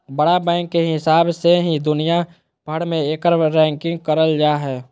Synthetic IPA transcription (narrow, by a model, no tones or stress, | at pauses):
bəɽabɛ̃ːŋkːeɦɪsaːbseɦĩd̪ʊnija | b̥ʱəɽmẽeːkəɾɾɛ̃ːŋkɪ̃ŋɡ̚kəɾəld͡ʒaːɦɛː